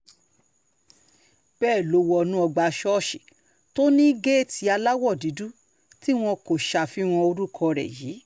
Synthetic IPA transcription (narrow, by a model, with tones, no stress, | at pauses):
b̥ɛː˦˨lo˨˦wɔ˧nũ˦ɔ˧ɡ͡ba˧ʃɔ˦˨ʃi˨ | to˦nĩ˦i˦ɡe˦˨tʰi˧˦a˧la˦wɔ˦˨di˨˦du˦ | ti˦w̃ɔ̃˧ko˨ʃa˨fi˨˦w̃ɔ̃˧o˧ɾu˦kʰɔ˧ɾɛ̰˨jiː˨˦